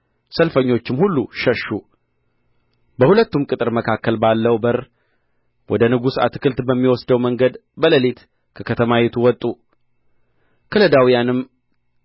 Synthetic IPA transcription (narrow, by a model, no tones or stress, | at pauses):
səlfəɲːo̞t͡ʃːɪmhulːuʃəʃːu | bəhulət̪ːumkʼɨt̪ʼɨɾməkʰakːəlbalːəwbəɾ | wʔɔd̪ənɨɡusa̰t̪ːɨ̥kʰɨlt̪bəmːiwɔsd̪əwməŋɡəd̪bələlet̪ | kʰəkʰət̪ʰəmajet̪ʰuwɔt̪ʼːu | kʰələd̪awijanɨm